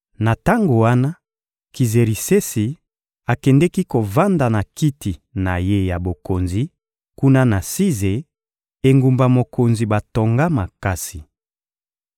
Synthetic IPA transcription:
na˨ta˦ŋɡo˨wa˦na˦ | ki˨ze˨ɾi˨se˦si˨ | a˨kɛ˨ndɛ˦ki˦ko˨va˦nda˨na˨ki˦ti˨na˨je˦ja˨bo˨ko˨nzi˨ | ku˦na˦na˨si˦ze˨ | e˨ŋɡu˨mba˨mo˨ko˨nzi˨ba˨to˨ŋɡa˦ma˨ka˦si˨

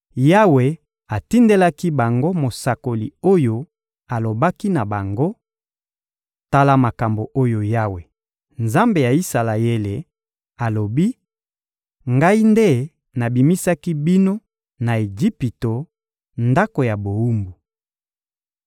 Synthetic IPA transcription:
ja˦we˨ | a˨ti˦nde˦la˦ki˦ba˨ŋɡo˦mo˨sa˨ko˨lḭ˨o˦jo˦ | a˨lo˨ba˦ki˦na˨ba˨ŋɡo˦ | ta˦la˦ma˨ka˨mbo˨ʔo˦jo˨ja˦we˨ | nza˦mbe˨ja˨i˦sa˨la˨je˦le˨ | a˨lo˨bi˦ | ŋɡa˦i˦nde˦ | na˨bi˨mi˦sa˦ki˦bi˦no˦ | na˨e˨d͡ʒi˦pi˨to˨ | nda˦ko˨ja˨bo˨u˦mbu˨

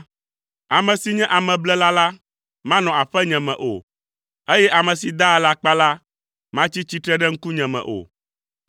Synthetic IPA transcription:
a˨mɛ̃˨si˨ɲɛ̃˦ʔa˨mɛ̃˨blɛ˦la˦la˦ | mã˦nɔ̃˨a˨ɸɛ˦ɲɛ̃˨mɛ̰̃˨ʔo̰˨ | e˦jɛ˦ʔa˨mɛ̃˨si˨d̪a˦˨˦la˦k͡pa˦la˦ | mã˦t͡ɕi˦t͡ɕi˦t̪ɾɛ˦ɖɛ˦ŋ̩˦ku˦ɲɛ̃˨mɛ̰̃˨ʔo̰˨

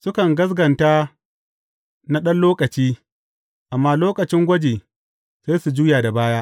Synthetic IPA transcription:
sʊ˦kɐ˨ŋɡɐ˦s̬ɡɐ˨ntaː˦ | na˦ɗɐ˦nloː˦kɐ˨t͡ʃiː˦ | ʔa˨mːaː˦loː˦kɐ˨t͡ʃɪ˦ŋɡʷɐ˦d͡ʒeː˨ | seː˦su˨d͡ʒuː˦jaː˨da˨baː˦jaː˦ʔ

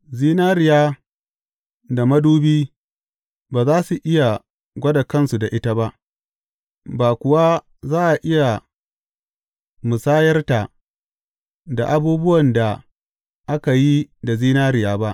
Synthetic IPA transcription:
ziː˦naː˦ɾɪ˨jaː˦ | da˨mɐ˦duː˦biː˦ | baː˨zaː˦su˨ʔɪ˦ja˨ | ɡʷɐ˦da˨kɐ˦nsu˨da˨ʔɪ˦ta˦ba˦ʔ | baː˨kʷʊ˨wa˦ | zaː˦ʔa˨ʔɪ˦ja˨ | mʊ˨saː˦jɐ˦rta˨ | da̰˨ʔa˦buː˦bʊ˦wɐ˨nda˨ | ʔa˦ka˨ji˦da˨ziː˦naː˦ɾɪ˨jaː˦ba˦ʔ

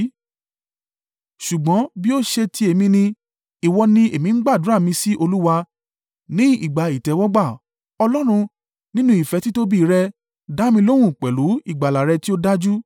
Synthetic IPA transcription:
ʃu˨ɡ͡bɔ̃˨˦bi˦o˦ʃe˧tʰi˧˦e˨mĩ˧nĩ˧ | i˨wɔ˧nĩ˧e˨mĩ˨˧ŋ̩˦ɡ͡ba˦˨du˨˦ɾa˦˨mĩ˧si˦ʔo˧lu˦wa˧ | nĩ˦ḭ˦˨ɡ͡ba˨i˨tɛ˨˦wɔ˦ɡ͡ba˦˨ | ɔ˧lɔ˦ɾ̃ũ˧ | nĩ˦nũ˧˦i˨fɛ˨˦ti˦to˦bi˦˨˦ɾɛ˧ | da˦mĩ˧lo˦w̃ũ˦˨k͡pɛ˨lu˨˦i˦˨ɡ͡ba˨la˨ɾɛ˧ti˦o˦da˦d͡ʒu˦

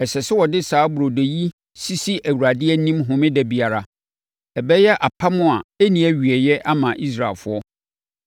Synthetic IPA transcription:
ɛ˨sɛ˨sɪ˦wɔ˨dɪ˦saː˨˦bu˨ɾo˨do˨ji˦ | si˦si˦ʔæ˨wu˨ɾa˨dɪ˦ɛ˦nĩ˦mɦʊ̃˨mɪ̃˦dɛ˦bi˨a˨ɾa˨ | ɛ˨bɛ˦jɛ˦ʔa˨pʰa˦mʊ̃˦a˨æ˦nĩ˨˦æ˦ɥi˨ɛ˨jɛ˦ʔa˦mã˨ʔi˦s̬ɾa˨ɪ̰˨lfʊ˦ɔ˦

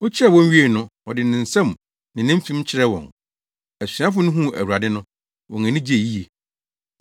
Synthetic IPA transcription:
ɔ˦t͡ɕʰɪ˦ɾɛ˦˨wɔ̃˦n˦ɥi˦e˦˨nʊ̃˦ɔ˨dɪ˨nɪ̃˨n̩˨sɛ̃˦m˨ | nɪ̃˨nɪ̃˦m̩˦fĩ˦mt͡ɕʰɪ˦ɾɛ˦wɔ̰̃˨n | æ˨si˨ã˦fʊ˦nʊ̃˦ɦũ˦˨æ̰˨wu˨ɾa˨dɪ˦nʊ̃˦ | wɔ̃˨ŋã˨nɪ̃˦d͡ʑi˦e˨ji˦je˨

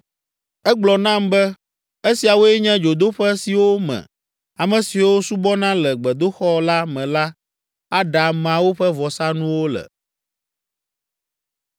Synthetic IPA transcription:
ɛ˦ɡ͡blɔ˨nã˦mbɛ˦ | e˦si˨a˨wo˦ɛ˦ɲɛ̃˦d͡ʒo˨d̪o˦ɸɛ˦si˨wo˦mɛ̰̃˨ | a˨mɛ̃˨si˨wo˦su˦bɔ˦nã˦lɛ˨ɡ͡bɛ˨d̪o˦xɔ˦la˦mɛ̃˨la˦ | a˦ɖa˨mã˨wo˦ɸɛ˦vɔ˨sa˦nũ˦wo˦lɛ̰˨

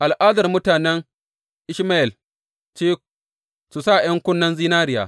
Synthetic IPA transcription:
ʔa˨lʔaː˦dɐ˨rmʊ˦taː˨nɛ˦ŋ | ʔɪ˦ʃmaː˦ʔɪ˨l | t͡ʃeː˦ | su˨sa˦˨j̰ɐ˦ŋkʷʊ˦nːɐ˦nziː˦naː˦ɾɪ˦ja̰ː˨

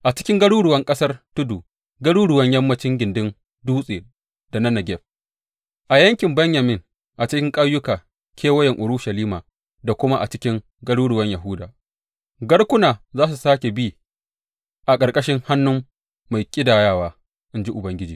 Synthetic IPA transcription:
ʔa˨t͡ʃɪ̥˦kʲɪ˦ŋɡɐ˦ɽuː˦ɽʊ˨wɐ˦ŋkʼɐ˦sɐ˦rtʊ˦duː˨ | ɡɐ˦ɽuː˦ɽʊ˨wɐ˦ɲjɐ˦mːɐ˦t͡ʃɪ˦ŋɡʲɪ˨ndɪ˦n | duː˦sʼeː˨ | d̥a˨nɐ˦nɐ˨ɡʲɛ˦ɸ̚ | ʔa˨jɐ˦ŋkʲɪ˨mbɐ˦ɲjɐ˨mɪ˦ŋ | ʔa˨t͡ʃɪ˦kʲɪ˦ŋkʼa˦jʊ˦kaː˨ | kʲʰeː˦wɐ˦jɛ˨ŋʔʊ˨ɾʊ˦ʃɐ˨liː˦maː˨ | da˨kʷʊ˦ma˦ʔa̰˨t͡ʃɪ˦kʲɪ˦ŋ | ɡɐ˦ɽuː˦ɽʊ˨wɐ˦ɲjɐ˨ɦʊ˦daː˨ | ɡɐ˦ɽkʷʊ˦naː˨zaː˦s̬u˨saː˦kʲe˨biː˦ | ʔa˨kʼɐ˨rkʼɐ˦ʃɪ˦ŋha˦nːʊ˦mː | a˨jkʲʼɪ˦daː˨jaː˦˨waː˦ | ʔɪ˦nd͡ʒi˦ʔʊ˨bɐ˦ŋɡʲɪ˦d͡ʒḭː˨

